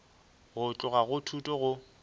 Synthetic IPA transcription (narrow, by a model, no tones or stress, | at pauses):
ɣʊt͡ɬʼʊɣaɣʊtʰutʼɔɣʊ